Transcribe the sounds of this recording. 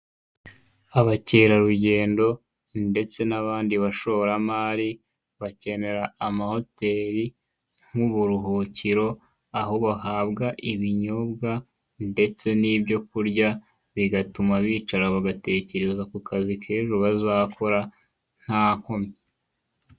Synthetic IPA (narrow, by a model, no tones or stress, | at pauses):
aβaceːɾaɾuɟe̞ːndo̞ | nde̞t͡se̞naβaːndiβaʃo̞ɾamaːɾi | βace̞ne̞ɾaːmaho̞te̞ːɾi | ŋ̥uβuɾuɦociɾo̞ | aɦo̞βahaːbɡaʔiβiɲo̞ːbɡa | nde̞t͡se̞nibɟo̞kuɾɟa | βiɡatumaβiːt͡ʃaɾaβaɡate̞ce̞ɾe̞zakukʰazikʰeːʒuβazakʰo̞ɾa | n̥haːŋ̥homɲe